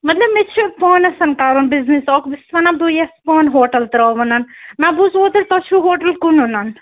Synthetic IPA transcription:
mɐt̪lɐbmet͡ʃʰipɔːnɐsɐnkaːɾunbiznisɔːkbɪsʋɐnad̪ujɐspɔːnɦoːʈɐlt̪ɐɾɔːʋɐnɐnmɛ̃busoːd̪ɐɾt̪ɐt͡ʃʰuɦoːʈɐlkununan

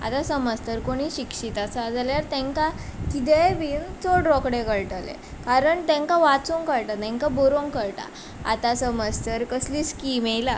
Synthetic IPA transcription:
a̰t̪asəməst̪əɾkoɽ̃iːɕikʂit̪at͡sad͡zaljaɾt̪ɛ̃ŋkakit̪̬ebiːnt͡soɖɾɔkɽekəɭʈalḛ | kaɾəɳt̪ɛ̃ŋkaʋat͡soŋkəɭʈat̪ɛ̃ŋkaboɾoŋkəɾʈa̰ | a̰t̪asəməst̪əɾkəsliːskiːmejla

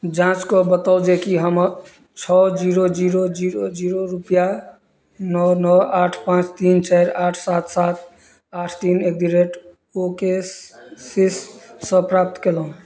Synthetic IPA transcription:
d͡ʒãt͡ʃkɔbət̪ɔld͡ʒekiɦəmɾ | t͡ʃʰɔd͡ʒiɾod͡ʒiɾod͡ʒiɾod͡ʒiɾoɾupja | nɔnɔaʈʰpãt͡ʃt̪int͡ʃaɾaʈʰsat̪ʰsat̪̚ʰ | aʈʰt̪inek̚d̪iɾeʈ | oke | sisːə̃pɾap̚t̪kelɦũ

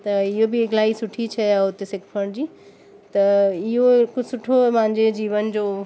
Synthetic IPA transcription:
t̪ɐɪɦobɪːɡlaːisʊʈʰit͡ɕʰɐaʊt̪esɪkʰpʰəɽ̃d͡ʑiː | t̪ɐɪɦokʊsʊʈʰomaẽɲd͡ʑed͡ʑiːʋənd͡ʑoː

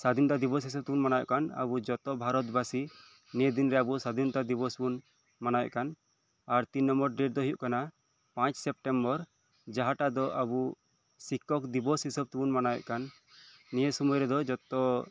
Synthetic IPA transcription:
sad̪inɔt̪ad̪ibɔsɦis̬əb̚t̪ubunmanajɔ̰ʔkana̰bud͡ʒɔt̪ɔbʱaɾɔt̪basi | nied̪inɾɛabusad̪int̪ad̪ibɔsbun | manajɔ̰ʔkan | aɾt̪inːɔmbɔɾɖeʈ̚d̪ɔɦijuʔkana | pãt͡ʃsɛp̚ʈɛmbɔɾ | d͡ʒaɦaʈad̪ɔʔabu | sikɔkd̪ibɔsɦisɔb̚t̪ubunmanajɔ̰ʔkanː | ijesɔmɔjɾɛd̪ɔd͡ʒɔt̪ːɔ

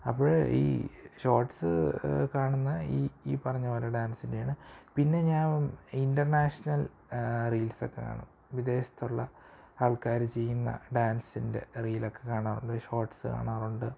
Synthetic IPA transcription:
ɐpːoːɻḭːɕo̞ːrʈsɨ̰kaːɳunːɐiːiːpɐrɐɲːɐʋɐlɐɖaːnsindejaːɳɨpinːe̞ɲaːindɐrnaːʂɐnɐl | riːlso̞kːe̞kːa̰ːɳɐ̰m | ʋid̪e̞ːɕɐ̥t̪ːoɭːɐ | aːɭkaːɾmt͡ɕe̞jːunːɐ̰ɖaːnsinde̞̰riːlo̞kːe̞kaːɳaːruɳɖɨɕo̞ːrʈsɨka̰ːɳaːruɳɖɨ

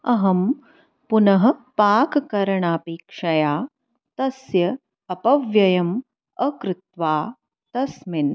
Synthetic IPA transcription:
ɐɦɐm | punɐɦɐ̆paːkkɐɾɐɳaːpiːkʂɐjaː | t̪ɐsjɐː | pɐʋjɐjɐm | ɐkɾɪt̪ʋaː | t̪ɐsmin

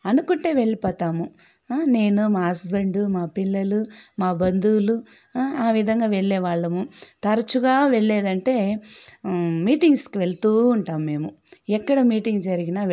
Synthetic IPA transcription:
ɐnukuɳʈeːʋe̞ɭːipɔːt̪aːmu | ne̞ːnumaːɦɐsbeɳɖumaːpilːɐlumaːbɐnd̪uːlu | aːʋid̪ʱɐŋɡaːʋeɭːɛːʋaːɭːɐmut̪ɐɾɐt͡ʃuɡaːʋeɭːeːd̪ɐɳʈe̞ː | miːʈiŋɡskiʋeɭt̪uːɳʈaːmːe̞ːmu | ɛkːɐɽɐmiːʈiŋɡd͡ʒɐɾiɡinaː

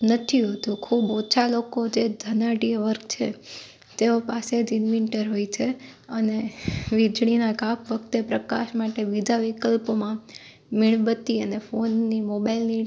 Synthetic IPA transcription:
nət̪ʰiɦot̪ũkʰubot͡ʃʰalokod͡ʒed̪ʱənaʈijəʋəɾkt͡ʃʰe | t̪eopased͡ʒɪnʋɪɳʈəɾɦoit͡ʃʰeəneʋid͡ʒɭinaɡapʋəkt̪epɾəkaʃmaʈeʋid̪ʱaʋikəlpomã | mɪɭbət̪iənefonːimobailni

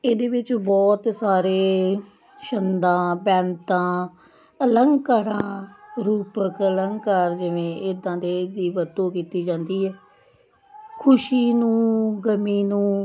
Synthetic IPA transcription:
eːd̪eːʋɪt͡ʃbɔːt̪saːɾeː | ʃənd̪ãːbɛ̃ːnt̪ãː | ələŋɡkaːɾãːɾuːpəkələŋɡkaːɾd͡ʒɪʋẽːʔɪːd̪ãːd̪eːd̪iːʋət̪õːkiːt̪iːd͡ʒãːnd̪iːɛː | kʰʊʃiːnũːɡəmiːnũː

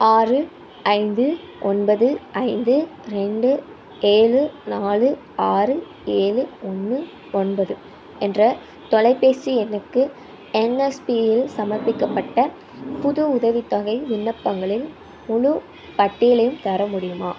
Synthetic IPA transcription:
aːrɯ | ɐɪnd̪ɯ | ʔɔnbɐðɯɐɪnd̪ɯɾɛɳɖɯ | eːɻɯnaːlɯ | aːrɯ | eːɻɯɔnːɯ | ɔnbɐðɯ | ɛndrɐ | t̪ɔlɐɪpːeːsiɛnːɐkːɯ | ɛnɛspijɪlsɐmɐɾpɪkːɐpːɐʈːɐ | pʊðʊʊðɐʋɪt̪ːɐɣɐɪʋɪnːɐpːɐŋɡɐɭɪl | mʊɻʊ | pɐʈːɪjɐlɐjɯmt̪ɐɾɐmʊɽɪjɯmaː

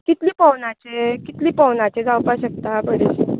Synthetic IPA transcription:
kit̪liːpəwnat͡ɕekit̪liːpəwnat͡ɕed͡zawpaɕək̚t̪abəɽet͡ɕi

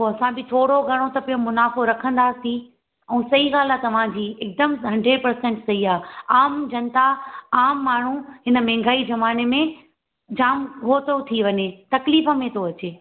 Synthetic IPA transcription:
oɐsãbɪt̪ʰoːɽoɡʱɐɽ̃ot̪ɐpijomʊnaːfoɾɐkʰə̃nd̪aːsĩ | ɛ̃ːsɐiɣaːlat̪ɐʋ̤ãd͡ʑiːeːk̚d̪əmɦɐ̃ɳɖʱepɐɾsɛ̃ɳʈsɐiaːaːmd͡ʑɐnt̪aaːmːaːɳ̤uɦɪnəmɛ̃ːŋɡʱaːizɐmaːnemẽ | d͡ʑaːmɡʱoːt̪ot̪ʰiʋɐɲet̪ɐkliːfə̆mẽt̪ʰoɐt͡ɕeː

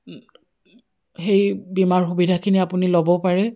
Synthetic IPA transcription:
xejbimaɹxubidʱakʰiniapunilobɔpaɹɛ

